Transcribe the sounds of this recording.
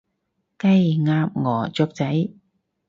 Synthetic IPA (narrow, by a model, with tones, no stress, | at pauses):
kɐ˥˧jŋaː˧m̚ŋɔː˨˩t͡sʊ˧k̚t͡sɐ˨˥j